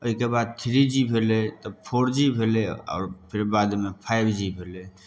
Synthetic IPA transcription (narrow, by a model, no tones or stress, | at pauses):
oɦikebad̪̚t̪ʰɾid͡ʒibʱelɛt̪əpʰoɾd͡ʒibʱelɛɔ̰ːɾpʰiɾbad̪mepʰajbd͡ʒibʱelɛ